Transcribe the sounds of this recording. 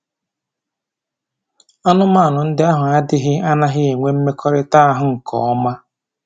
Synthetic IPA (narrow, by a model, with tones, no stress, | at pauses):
a˦nʊ˦ma˦˨nʊ˨n̩˦dɪ˦a˦ɦʊ˨a˦dɪ˦ɦɪ˦a˦na˦ɦɪ˦e˨ŋʷe˦m̩˦me˦kʰɔ˦ɾɪ˦ta˦a˦ɦʊ˨ŋ̩˨kʰɔ̰˨ɔ˦ma˦